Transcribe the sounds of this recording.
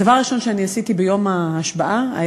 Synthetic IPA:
avaʁʁiʃo̞nʃeaniasitibejo̞maːʃbaʔaa̰

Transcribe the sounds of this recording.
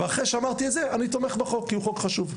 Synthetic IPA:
veaχeʃeamaʁt̪iezeanit̪o̞meχbeχo̞kːiuχo̞kχaʃuv

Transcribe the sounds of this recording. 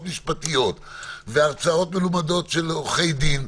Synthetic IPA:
tmiʃpatijo̞t | veaʁt͡sao̞t̪melumadotʃe̞loχe̞jd̪in

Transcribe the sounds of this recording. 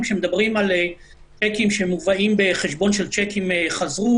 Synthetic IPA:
mʃe̞med̪abʁimale | t͡ʃekimʃemuvaʔimbe̞χeʃbo̞nʃelt͡ʃekimeχazʁu

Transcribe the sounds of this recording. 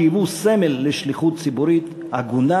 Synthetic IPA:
vusemelːeʃliχut̪̚t͡sibuɾit̪ | aɡuna

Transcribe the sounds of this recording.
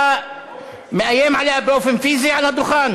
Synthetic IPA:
mɪnʔæjːeːmʕaleːhæbɾoːfɪnfiːziʕalæd̪ːʊxæːn

